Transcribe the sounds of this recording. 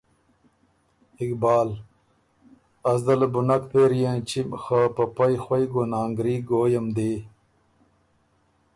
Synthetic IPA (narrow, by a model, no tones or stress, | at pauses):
ikbaːl | ɐzd̪ɐlbunɐkpeɾijẽnt͡ɕimxaːpɐpɐjxwɐjɡonaːŋɡɾiːɡoːjɐmd̪e